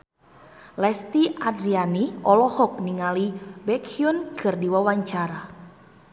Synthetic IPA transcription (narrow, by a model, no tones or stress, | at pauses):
lɛst̪iʔadɾianiʔɔlɔhɔk̚niŋalibɛkʰiunkʰɨrdiwawaɲt͡ʃaɾa